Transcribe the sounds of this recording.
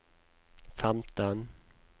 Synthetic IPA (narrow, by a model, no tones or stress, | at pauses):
fɛmt̪ɔn